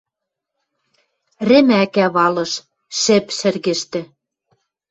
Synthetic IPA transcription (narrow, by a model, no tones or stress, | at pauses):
rɘ̆mækæβɑlɤ̆ʃ | ʃɘ̆pʃɘ̆rɣɘ̆ʃt̪ɘ̆